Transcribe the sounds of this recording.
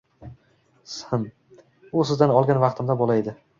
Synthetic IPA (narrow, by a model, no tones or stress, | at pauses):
sɪm | ʊsɪzd̪anɒlˠɡʲanvɑqt̪ʰɪmd̪abɒlaed̪ɪ